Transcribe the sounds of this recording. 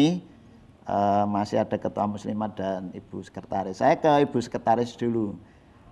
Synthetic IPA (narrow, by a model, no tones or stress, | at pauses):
i | əmasɪhad̥a̤kət̪uamuslimat̪̚d̥anib̥usə̥kərt̪aɾɪsːajakəib̥ṳsə̥kət̪aɾɪsd̪̥ulu